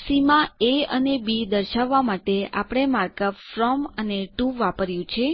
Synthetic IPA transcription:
simãeənebid̪əɾʃaʋːamaʈea̰pəɽ̃emaɾkəpfɾɔməneʈuʋapəɾjũt͡ʃʰe

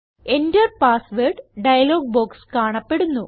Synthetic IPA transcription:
endɐrpaːsʋeːɖɖɐjɐloːɡ̚boːkskaːɳɐpːe̞ɽunːu

